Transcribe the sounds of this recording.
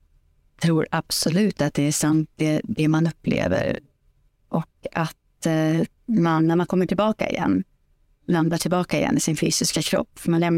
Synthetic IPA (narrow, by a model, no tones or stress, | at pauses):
t̪ʰɾuːɾab̥sɔlʉ̟ːt̪at̪̚d̪ɛæʂant̪̚d̪ɛd̪ɛmanɵpːlḛːvə̰ɾ | ʔɔkat̪̚ | manːæɾmankʰɔmːəʈʰɪlbɑːka̰ɪ̰jɛ̰nː | land̪aʈʰɪlbɑːkaɪjɛ̰nːɪsɪnfyːsɪskakʰɾɔ̰pːfmanlɛmn